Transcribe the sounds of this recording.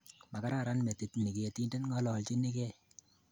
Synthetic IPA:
ma˨ka˦ɾa˨ɾa˦nmɛ˨ti˨tni˨ke˨e˨ti˦nde˦nŋɡɔ˦lɔ˨lt͡ʃi˦ni˦kɛ˦

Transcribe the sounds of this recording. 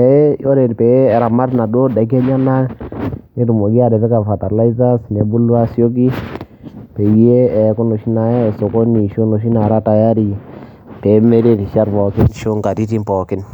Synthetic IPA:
ɛ˨˦jo˦ɾe˨npeː˨˦˨ɾa˨ma˦tna˨do˦da˨˦k̬ɛ˦ɲa˦na˦ne˦tu˨mo˨ɡi˦a˨dɛ˨pɛ˦ka˨fa˨ta˨la˦i˦za˦sne˨bu˦lwa˦sjo˦k̬i˦ | pe˨e˦ɛ˨˦ko˦no˨ʃi˦na˨ja˦˨so˨ko˦ni˨ʃo˦no˨ʃ̬i˦na˨ɾa˦ta˨ja˦ɾi˨ | pe˨˦me˦ɾe˦ti˨ʃa˦ɾpɔ˨kɪ˦nʃo˦ŋɡa˨ti˦ti˦mpɔ˨kɪ˦n

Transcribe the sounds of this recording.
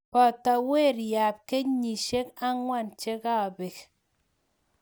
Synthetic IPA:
pɔ˨ta˨we˦˨ɾja˨p̚ke˦ɲi˨ʃe˦ka˦ŋwa˦˨nt͡ʃe˦ka˦˨be˨k

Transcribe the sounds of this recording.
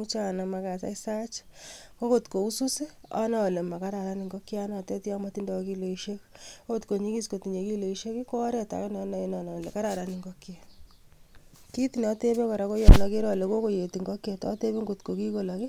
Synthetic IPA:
u˦t͡ʃa˦˨na˨ma˧ka˨sa̰˦i˦sa˦t͡ʃko˦ko˦tko˨u˦su˦si˦ɔ̰˦na˦˨le˨ma˨ka˦ɾa˨ɾa˦ni˨ŋɡɔ˦kja˦nɔ˨te˦ta˦ma˦ti˦ndɔ˦ki˦lo˨iʃe˦kko˦ko˦tko˨ɲi˦ki˦sko˨ti˨ɲe˨ki˦lo˨iʃe˦ki˦ko˦ɾɛ˦ta̰˨knɔnɔ˨i˦nɔ˨nɔ˨le˨ka˦ɾa˨ɾa˨nɪ˨ŋɡɔ˦ke˨ | ki˦ti˨nɔ˨˦te˦be˦ko˨ɾa˨ko˦jɔnɔ˨ki˦ɾɔ˨le˨ko˦ko˦je˨ti˨ŋɡɔ˦kje˨tɔ̰˦te˦be˦ŋɡo˨tko˨ki˦ko˨lɔ˨kɪ˦

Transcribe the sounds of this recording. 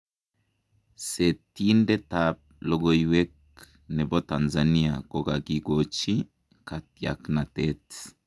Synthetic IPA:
se˨ti˦ndɛ˦tap̚lɔ˨ɡo˨iwɛ˦k | nɛ˨bɔ˦ta˨nza˨ni˦a̰˨kɔ˦ka˨ɡi˨ɡo˨t͡ʃi˦ | ka˨tia̰˨kna˨tɛ˦t

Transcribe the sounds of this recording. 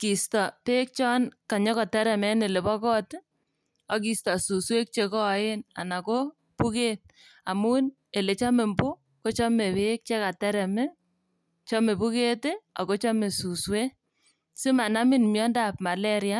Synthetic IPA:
ki˨stɔ˨pe˦k̚t͡ʃɔ˦nka˨ɲɔ˦kɔ˨tɛ˦ɾɛ˨mɛ˦ne˨le˨bɔ˦kɔ˦t | ɔ˦ki˨stɔ˨su˨swe˦k̚t͡ʃe˨kɔ˦˨˦e˦na̰˨na˨ko˦ | pu˦ke˦t̚ | a̰˨mu˦n | e˨le˨t͡ʃa˦me˨mbu˦ | ko˦t͡ʃɔ˦me˨βe˦k̚t͡ʃe˦ka˨tɛ˦ɾɛ˨mɛ˦ | t͡ʃɔ˦me˨pu˦ke˦te˦a̰˨ko˦t͡ʃɔ˦me˨su˨swe˦ | si˦ma˨na˦mɪ˦nmjɔ˦nda˦p̚ma˨lɛ˦ɾja˦

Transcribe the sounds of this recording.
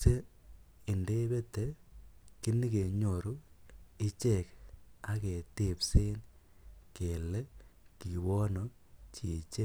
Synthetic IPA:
se˦i˨nde˦be˦te˨˦ki˦ni˦ke˨ɲo˨ɾu˦i˦t͡ʃe˦˨ka˦ke˨te˦˨pse˦nke˨le˦ki˨wɔ˦no˨ | t͡ʃi˨t͡ʃe˦

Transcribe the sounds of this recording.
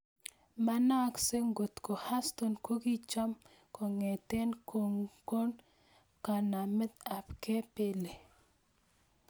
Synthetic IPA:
ma˦na˦kse˦ŋɡo˨t̪ko˨ha˦st̪o˨nko˦ɡi˦t͡ʃa˦m | ko˨ŋe˨t̪e˦nkʰo˨ŋko˦n | ka˨na˨mɛ˦d̪a˨pke˦pe˦le˨

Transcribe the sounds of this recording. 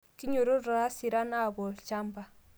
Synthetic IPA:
ki˦ɲo˨ɾo˦ɾa˨a˦si˨ɾa˦na˦˨bɔ˨lt͡ʃa˦mba˨

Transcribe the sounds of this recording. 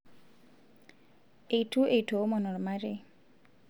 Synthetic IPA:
e˨itu˦ʔe˨i˨to˨˦mɔ˨nɔ˨ɾma˦ɾɪ˦

